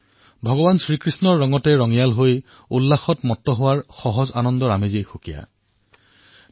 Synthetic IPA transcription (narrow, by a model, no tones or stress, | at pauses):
bʱɔɡɔbansɹikɹisnɔɹːɔŋɔtɛɹɔŋijalɦoj | ulːaxɔtmɔtːɔɦʊwaɹxɔɦɔzanɔndɔɹamezejxokija̰